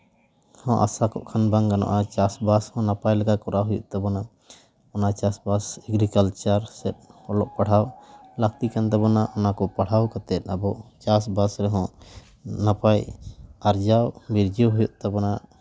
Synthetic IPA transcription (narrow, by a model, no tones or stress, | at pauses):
hɔ̃ʔa̰sakɔ̰ʔkʰanbaŋkanɔ̰ʔat͡ʃasbashɔ̃napajlɛɡakɔɾaɦujɔ̰ʔt̪ɛbɔna | ɔnat͡ʃasbasɛɡɾikalt͡ʃaɾsɛt̪̚ɔlɔʔpaɽ̤awlak̚t̪ikant̪ɛbɔnaʔɔnakɔpaɽ̤awkat̪ɛt̪̚ˀabɔt͡ʃasbasɾɛɦɔ̃ | napajaɾd͡ʒawbiɾd͡ʒɔɦujɔʔt̪ɛbɔna